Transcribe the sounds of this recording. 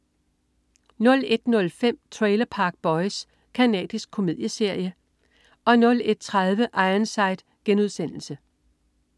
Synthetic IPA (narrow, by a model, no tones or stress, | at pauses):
nɔ̽le̝d̥nɔ̽lfem̰t͡sʰʁeɪlɐpʰɑ̈ːɡ̥̚b̥ɒ̽ɪs | kʰænɛ̰ːd̥isɡ̥̚kʰo̝mið̰ˠjəse̝ɐ̰jə | ʔɒ̽nɔ̽le̝d̥̚t͡sʰʁaðˠʋəʔɑ̈ɪɐnsɑ̈ɪd̥ | ɡ̥enuð̞ˠsen̰l̩sə